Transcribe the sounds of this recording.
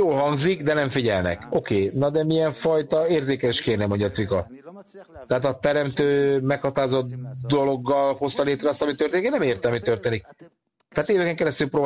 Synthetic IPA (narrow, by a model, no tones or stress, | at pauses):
joːlhɒŋɡzikd̪ɛnɛɱfiɟɛlnɛ̰ko̞keːnɒd̪ɛmijɛɱfɒjt̪ɒeːrzeːkɛliʃkeːrnɛmo̞ɲɟɒt̪sʋikɒt̪ | t̪ɛɦaːt̪ɒt̪ɛɾɛmt̪øːmɛkhɒt̪aːzot̪d̪o̞lo̞ɡːɒlho̞st̪ɒleːt̪rɛɒst̪ɒmit̪ørt̪eːniknɛmeːrt̪ɛɒmit̪ørt̪eːnik̚ | t̪ɛɦat̪eːvɛkɛŋkɛɾɛst̪ylproːb